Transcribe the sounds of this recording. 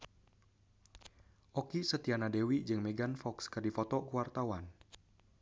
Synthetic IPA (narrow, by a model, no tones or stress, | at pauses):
ʔɔkisət̪ianadewid͡ʒɨŋmɛɡanfɔkskɨrdifɔt̪ɔkuwart̪awan